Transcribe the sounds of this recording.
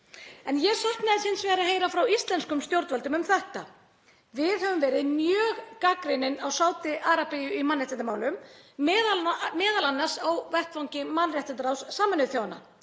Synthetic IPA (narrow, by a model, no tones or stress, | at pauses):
ɛnjɛɣsahknaðɪsɪnsvɛːɾaɦeːjɾafɾawist̪lɛnskʏmst̪jowɾt̪valt̪ʏmʏmθɛht̪a | vɪðhœvʏmvɛːɾɪðnjœːɣkakɾɪnɪnawsaːwt̪ɪʔaːɾapejʏimanːrjɛht̪ɪnt̪amaːwlʏmːðalmɛːðalanːaɾ̥sawvɛht̪fawŋcɪmanrjɛht̪ɪnt̪ɾawsːaːmɛnʏθjaːwna̰